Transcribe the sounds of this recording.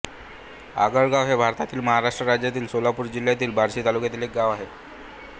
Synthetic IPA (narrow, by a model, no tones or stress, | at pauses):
a̰ɡəɭɡaʋɦebʱaɾt̪at̪iːlməɦaɾaʂʈɾəɾad͡ʑjat̪iːlsolapuːɾd͡ʑil̤jat̪iːlbʱaɾɕiːt̪alukjat̪iːlek̚ɡaʋaɦe